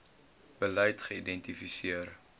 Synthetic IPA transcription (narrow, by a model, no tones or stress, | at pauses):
b̥əlɛjtχəidɛntifisiər